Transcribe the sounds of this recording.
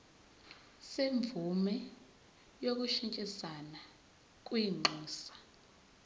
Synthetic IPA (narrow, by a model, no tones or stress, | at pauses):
seɱb̪vʱumɛ | jok̬uʃint͡ʃʼisana | k̬ʼwiŋ͡ǃʱuːsḁ